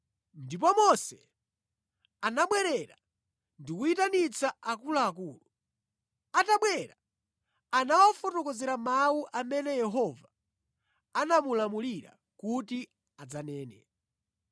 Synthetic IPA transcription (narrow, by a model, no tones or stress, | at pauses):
ndip̬ɔmɔsɛ | anaɓwɛɾɛɾa | ndikuitanit͡saakulaːkuːlu | ataɓwɛɾa | anawɔfɔtɔkɔzɛɾamauʔamɛnɛjɛɦɔvaː | namulamuliɾa̰ | kuti | ad͡zanɛːnɛ̰